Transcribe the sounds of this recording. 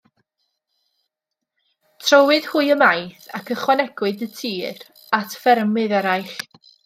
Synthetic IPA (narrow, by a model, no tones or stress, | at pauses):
tʰrɔwɨð̥huɨjəmajθakʰəχwanɛɡ̥wɨdətʰiːr | atʰfɛrmɨðɛɾajɬ